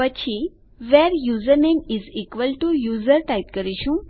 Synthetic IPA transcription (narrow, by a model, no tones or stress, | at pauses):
ʋət͡ɕi | ʋɛɾjuːzəɾnemizikʋəlʈujuːzəɾʈajʈ̚kəɾiɕũ